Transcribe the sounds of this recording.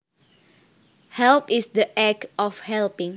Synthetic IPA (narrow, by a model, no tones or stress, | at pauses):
hɛlpisdəʔɛkʔɔfhɛlpɪ̃ŋ